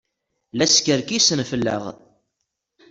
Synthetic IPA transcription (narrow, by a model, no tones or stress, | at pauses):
læskəɾkisənfəlːə̰ʁ